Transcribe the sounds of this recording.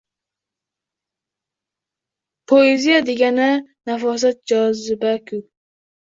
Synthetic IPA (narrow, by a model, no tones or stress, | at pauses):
pʰoezijad̪eɡʲananafɒs̬at̪̚d͡ʒɒzɪbakʲʰʊ